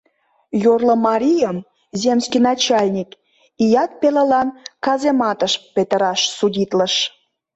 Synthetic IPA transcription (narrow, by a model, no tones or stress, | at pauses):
jorləmɑɾʲijəm | zemskinɑt͡ɕɑlʲnʲik | ijɑt̪̚peləlɑnkɑzemɑt̪əʃpet̪əɾɑʃsudʲit̪ləʃ